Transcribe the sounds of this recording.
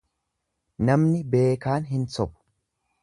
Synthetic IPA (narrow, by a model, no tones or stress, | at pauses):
nɐmnɪbe̞ːkaːnɦɪnsɔbʊ̥